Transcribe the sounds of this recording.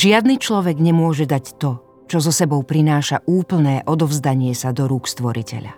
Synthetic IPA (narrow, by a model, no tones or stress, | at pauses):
ʒɪad̪nit͡ʃlɔʋɛɡɲɛmʊɔʒɛd̪act̪ɔ | t͡ʃɔzɔsɛbɔʊpɾinaːʃaʔuːpl̩nɛːʔɔd̪ɔvzd̪aɲɪɛsad̪ɔɾuːkst̪ʋɔɾicɛ̰ʎa̰